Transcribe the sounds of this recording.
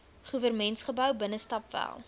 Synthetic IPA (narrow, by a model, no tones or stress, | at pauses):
χuvərmɛntsχəbœwbənəstɑpvæ̰lˠ